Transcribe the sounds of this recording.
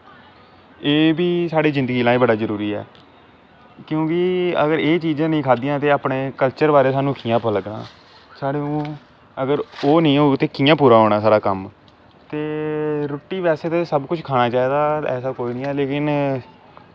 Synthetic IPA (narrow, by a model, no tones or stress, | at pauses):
eːbʱiːsaːɽiːzɪ̃nd̪əɡiːlãːĩːbəɽaːzəɾuːɾiːɛ̰ː | kjõːkɪəɡəɾeːt͡ʃiːd͡ʒãːnəĩːkʰaːd̪ijãːt̪eːaːpɳeːkəlt͡ʃəɾbaːɾeːsaːnũːkiːãːpələɡna̰ː | saːɽeːõː | əɡəɾoːnĩːɦoːt̪eːkiːãːpuːɾaːɦoːɽ̃aːsaːɾaːkəm | t̪eːɾoʈːiːʋɛːseːt̪eːsəbkʊt͡ʃʰkʰaːɽaːt͡ʃaːiːd̪aːɛ̰ːsaːkoinĩːɛːleːkɪn